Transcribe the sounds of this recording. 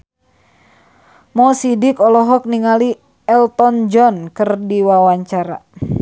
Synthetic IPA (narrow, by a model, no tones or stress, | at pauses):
mɔsidikɔlɔɦɔk̚niŋali | ɛlt̪ɔnd͡ʒɔnkɨrdiwawaɲt͡ʃaɾa̰